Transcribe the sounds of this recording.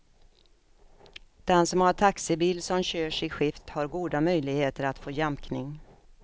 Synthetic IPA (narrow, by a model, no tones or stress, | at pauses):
d̪̥ɛnsɔmhaʈʰaksɪbiːlsɔmɕøːʂɪɧɪft̪haɾɡuːd̪amœjlɪɡheːt̪əɾat̪foːjɛmknɪŋ